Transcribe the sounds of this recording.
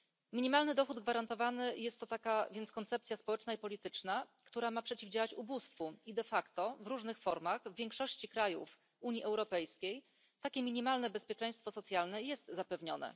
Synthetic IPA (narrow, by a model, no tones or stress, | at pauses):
mʲiɲimalnɘd̪ɔxud̪ɡvaɾant̪ɔvanɘjɛst̪ːɔt̪akavʲjɛnt̪skɔnt̪sɛp̚t̪sʲjaspɔwɛt͡ʂnaipɔlʲit̪ɘt͡ʂnakt̪uɾamapʂɛt͡ɕivd͡ʑawat͡ɕubust̪fuid̪ɛfakt̪ɔvɾuʐnɘxfɔɾmaɣvvʲjɛŋkʂɔɕt͡ɕikɾajṵf | uɲjiʔɛwɾɔpɛjskʲej | t̪akʲɛmʲiɲimalnɛbɛspʲjɛt͡ʂɛj̃st̪fɔsɔt̪sʲjalnɛjɛst̪zapɛvɲɔ̰nɛ̰